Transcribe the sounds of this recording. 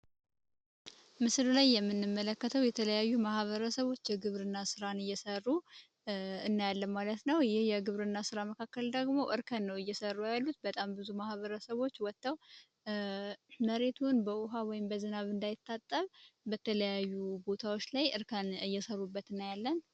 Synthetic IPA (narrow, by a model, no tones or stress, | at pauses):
mɨsɾlajːɛmːɨnːɨmːələkːət̪ʰəwjɛt̪ʰələjajːumahβəɾəsəβo̞t͡ʃːjɛɡɨβɾɨnːasɨɾanɨjːɛsərːu | ɨnːajalːəmalət̪nəwjɪhjɛɡɨβɾɨnːasɨɾaməkʰakːəld̪əɡmo̞ʔɨɾkʰənːəwɨjːɛsərːujalːut̪̚bət̪ʼambɨzumahβəɾəsəβot͡ʃːwɔt̪ːəw | məɾe̞t̪ʰunbəʔʊɦawɔjɪmbəzɨnaβɨnd̪ajɪt̪ʰːat̪ʼːəβbət̪ʰələjajːubo̞t̪ʰawo̞t͡ʃːlajʔɨɾkʰənɨjːɛsərːubːət̪ɨnːjalːən